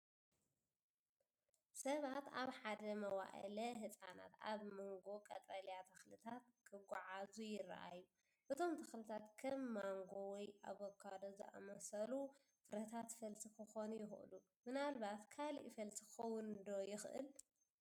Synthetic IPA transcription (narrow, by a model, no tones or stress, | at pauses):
sɐβat̪aβħad̪ɐmɐwa̰ʔɐ̰lɐɦɨt͡sʼana̰t̪a̰βmɨŋɡokʼɐ̰t̪ʼɾɐljat̪ʰɐxlɨt̪ʰat̪̚kʰɨɡʷuʕazujɪrːɐ̰ʔa̰jːu | ʔɨt̪ʰo̞mt̪ʰɐxlɨt̪ʰat̪kʰɐmːaŋɡowɔjʔa̰βokʰːad̪ozɐ̰ʔɐ̰mɐsɐlu | fɨɾɐt̪ʰat̪fɐlt̪ʰikʰɨxonujɪxʔɨ̰lu | mɨnalβat̪kʰalḭʔfɐlt̪ʰikɐwʊnɨd̪o̞jɪxʔɨ̰l